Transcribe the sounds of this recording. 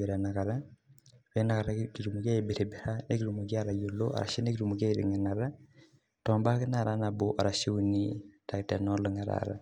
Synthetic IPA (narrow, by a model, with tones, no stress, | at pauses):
e˨ɾa˨na˨ka˨ɾa˦wɛ˦na˨ka˨ɾa˦ki˨ɾu˨mu˨ka˦i˨be˨ɾe˨bɛ˨ɾa˦ne˦ki˦ɾu˨mu˨ɡi˦a˦ɾa˨jo˨lo˦ʔa̰˨ɾa̰˨ʃi˦ne˦ki˦ɾu˨mu˨ɡa˦iɾḭ˨ŋɛ˨na˨ɾa˦ | tɔ˨mba˦kɪ˦na˨ɾa˦na˨bo˦ʔa˨ɾa˨ʃi˦unita˨ktɛ˨nɔ˦lo˦ŋa˨ɾa̰ɾa̰˦